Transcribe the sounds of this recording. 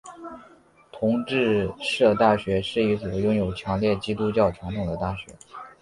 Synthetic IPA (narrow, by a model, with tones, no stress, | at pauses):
t̪ʰʊ˧˥ŋʈ͡ʂɻ̩˥˧ʂɤ˥˧t̪a˥˩ɕɥɛ˧˥ʂɻ̩˥˩i˧˥swɔ˨˩jʊ˥ŋjo˨˩ʊt͡ɕʰjɑ˧˥ŋljɛ˥˩t͡ɕi˥t̪u˥t͡ɕjɑ˥˩ʊʈ͡ʂʰjɑ˧˥ŋt̪ʰʊ˨˩ŋd̪ə˦t̪a˥˩ɕɥɛ̰˧˥